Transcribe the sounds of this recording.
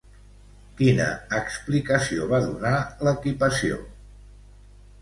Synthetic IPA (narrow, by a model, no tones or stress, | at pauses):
kinə̰ːksplikəsioβaðunaləkipəsio̰